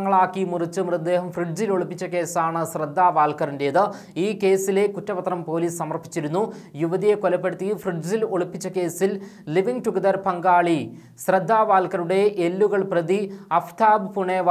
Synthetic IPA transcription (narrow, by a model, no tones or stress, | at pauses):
ŋːɐɭaːkːimurit͡ɕːɨmrɨd̪ːe̞ːɦɐmfriɖ̚d͡ʑiloɭupːit͡ɕːɐke̞ːsaːɳɨsrɐd̪ːaːʋaːlkɐrinde̞jɐðɨ | iːke̞ːsile̞kutːɐpɐt̪rɐmpo̞ːliːsɐmɐrpːi̥t͡ɕːiɾunːujuʋɐðijekolɐpːe̞ɽut̪ːifriɖd͡ʑiloɭupːit͡ɕːɐke̞ːsilliʋiŋʈuɡɐd̪ɐrpɐŋɡaːɭi | srɐd̪ʱːaːʋaːlkɐɾuɽe̞ʔelːuɣɐɭprɐðiɐft̪ʰaːbɨpuɳeʋ